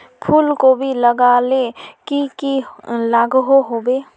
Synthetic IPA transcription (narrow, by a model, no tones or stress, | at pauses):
pʰuːlkobʱiləɡalekikilaɡɦoɦobe